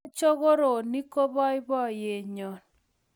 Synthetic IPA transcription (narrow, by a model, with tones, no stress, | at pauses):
t͡ʃo˦ɣo˦ɾo˨ni˦ko˦bɔ˦ɪ˦bɔ˦˨je˨ɲo˨n